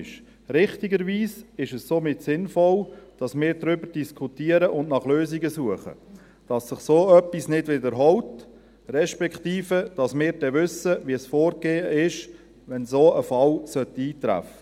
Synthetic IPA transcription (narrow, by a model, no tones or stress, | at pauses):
ʃ | ɾɪχtɪɡəɾviːsɪʃɛssoːmɪtsɪnfɔld̥ɑsmɪːɾdɾʏbəɾd̥iskʰχutiəɾəʔʊndnɑχløːziɡəsuəχə̰ | d̥ɑsːɪχsoːœpːisnɪdvɪdəɾɦɔlt | rɛʃpɛkχtiːfəd̥ɑsmɪːɾd̥ɛʋʏsəʋiəsfoːɾɡeːəɪʃ | ʋɛnsoːəfɑlsœtiːtɾæ̰fə